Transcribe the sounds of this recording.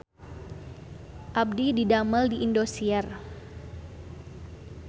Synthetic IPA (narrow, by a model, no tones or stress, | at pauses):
ʔab̚dididaməldiʔːndosiɛr